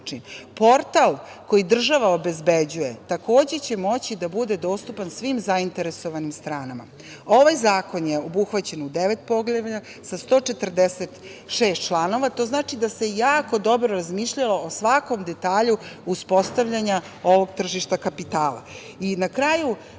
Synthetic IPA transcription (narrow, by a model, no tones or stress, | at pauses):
impo̞ɾt̪alˠko̞jid̪r̩ʒaʋao̞be̞zbed͡ʑuje̞t̪ako̞ːd͡ʑe̞t͡ɕe̞mo̞t͡ɕid̪abud̪e̞d̪o̞ːst̪upansʋimzaint̪e̞ɾe̞so̞ʋanimst̪ɾaːnama̰ | o̞ʋajzaːko̞njeobuxʋat͡ɕe̞nud̪eʋet̪̚po̞ɡleʋa | sast̪o̞ːt͡ʃe̞t̪r̩d̪eset̪ | ʃeːst̪t͡ʃlˠano̞ʋat̪o̞znaːt͡ʃid̪ase̞jaːko̞d̪o̞bɾoɾazmiːʃʎalo̞osʋako̞md̪e̞t̪aːʎuuspo̞st̪aʋʎaɲa | oʋo̞ɡ̚t̪r̩ʒiʃt̪akapit̪aːlˠa̰ | inakɾaju